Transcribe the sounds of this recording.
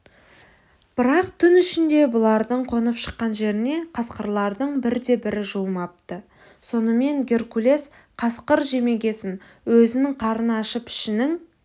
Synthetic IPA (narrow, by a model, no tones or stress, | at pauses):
b̥ɪɾɑq̚t̪ʰʏnʏʃɪnd̪e̞bʊlˠɑɾd̪əɴqʰo̞nəpʃə̥qːɑnʒe̞ɾɪne̞qʰɑsqəɾlˠɑɾd̪əɴbɪɾd̪e̞bɪɾɪʒuəmɑp̚t̪ə | so̞nəme̞ŋɡʲe̞rkulʲe̞s | qʰɑsqəɾʒe̞me̞ɡʲe̞sɪn | wɵzɪnɪŋqʰɑɾənɑʃəpɪ̥ʃɪnɪŋ